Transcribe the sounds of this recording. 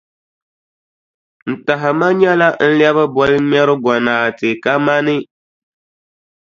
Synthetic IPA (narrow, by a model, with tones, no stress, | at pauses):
n̩˨ta˨ɦɪ˨ma˦ɲɛ˦la˦n̩˦ljɛ˦βɨ˦bɔ˨lɨ˦mɛ˦ɾɨ˦ɡɔ˨naː˨tɪ˨ka˦ma˦nɪ˦